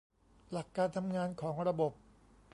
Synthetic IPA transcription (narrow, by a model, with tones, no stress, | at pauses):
la˨˩kːaː˧nt̪ʰa˧mŋaː˧nkʰɔː˩˦ŋɾa˧bo˨˩p̚